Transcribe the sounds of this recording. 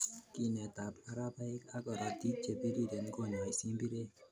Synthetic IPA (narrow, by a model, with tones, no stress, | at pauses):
ki˨nɛ˨t̪a˨pa˦ɾa˦pa˦ɪ˦ka˦kɔ˨ɾa˨t̪i˦t͡ʃe˨pi˦ɾi˦ɾe˨nko˨ɲa˨jsi˦mbi˦ɾe˦